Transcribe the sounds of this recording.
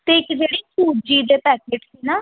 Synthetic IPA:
t̪eːɪkd͡ʒeːɽiːsuːd͡ʒiːd̪eːpɛːkeːʈsiːnaː

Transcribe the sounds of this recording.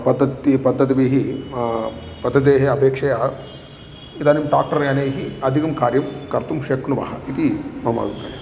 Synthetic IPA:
pɐd̪ːɐt̪ipɐd̪ːɐt̪ibeːɦi | pɐd̪ːɐd̪eːɦeɐpeːkʂɐjaː | id̪aːnimʈa̰ːk̚ʈɐɾjaːneːɦiɐd̪ʱikɐmkaːɾjɐmkɐɾt̪umʃeknuʋa̰ːɦɐʔit̪imɐma̰ːɡ̪umkɐ̰jɐ̰

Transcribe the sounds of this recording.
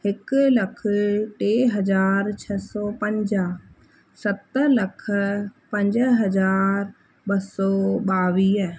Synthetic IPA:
ɪkləkʰʈeːɦəd͡ʒaːɾt͡ʃʰɛsɔːpə̃ɲd͡ʒa | sət̪ːəɾləkʰpə̃ɲd͡ʒəɦəd͡ʒaːɾ | bəsɔːbaːʋiːɛ

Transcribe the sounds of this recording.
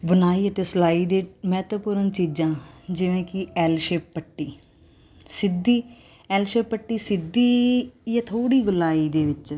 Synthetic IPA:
bənaːiːət̪eːsəlaːiːd̪eːmɛːt̪əpʊɾənt͡ʃiːd͡ʒãːd͡ʒɪʋẽːkɪɛːlʃeːpːəʈːiː | sɪd̪iː | ɛːlʃeːpːəʈːiːsɪd̪iːjãːt̪ʰoːɽiːɡʊlaːiːd̪eːʋɪt͡ʃ

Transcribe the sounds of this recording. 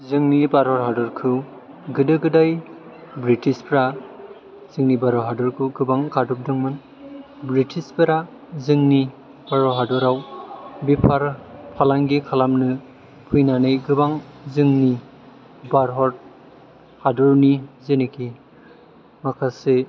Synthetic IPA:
zɯŋnibaɾɦɔt̚ɦadɔɾkʰɯw | ɡɯdɯɡɯdajbɾitispɾa | z̥ɯŋnibaɾɔɦadɔɾkʰɯwɡɯbaŋkadup̚dɯŋmɯn | bɾitʰispiɾa | zɯŋni | baɾɔɦadɔɾawbipʰaɾpʰalaŋɡikʰalamnɯ | pʰujnanɯjɡɯbaŋzɯŋni | baɾɦɔɾ̚ | hadɔɾnizenikʰi | makʰase

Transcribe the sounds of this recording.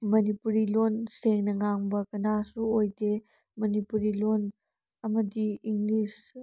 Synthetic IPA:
mɐnipuɾilɔnseŋnɐŋaŋbɐkɐnasuɔjde | mɐnipuɾilɔn | ɐmɐdiiŋlis

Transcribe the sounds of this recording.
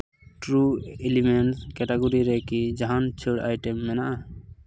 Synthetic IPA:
ʈɾuelimenskɛʈaɡuɾiɾɛkid͡ʒaɦant͡ʃʰəɽa̰jʈɛmːɛnaʔa

